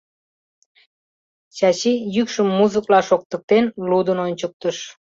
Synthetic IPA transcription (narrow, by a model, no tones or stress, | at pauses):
t͡ɕɑt͡ɕijykʃəmːuzəklɑʃok̚t̪ə̆k̚t̪enlud̪ənonʲt͡ɕək̚t̪əʃ